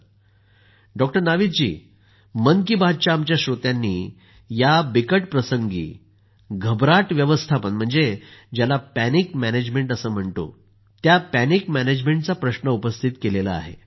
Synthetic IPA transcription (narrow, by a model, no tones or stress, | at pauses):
ɖɔk̚ʈəɾnaʋit̪̚d͡ʑḭː | mənkibʱad̪̚t͡ɕaːmt͡ɕjaɕɾot̪janːiː | jabikəʈpɾəsəŋɡḭː | ɡʱəbɾaʈʋjəʋəst̪ʰapənm̤əɳd͡zed͡ʑjalapænikmæned͡ʑmeɳʈəsəːm̤əɳt̪o̰ | t̪japænikmæned͡ʑmeɳʈ̚t͡sapɾəɕnəupəst̪ʰit̪kelelaa̰ɦḛ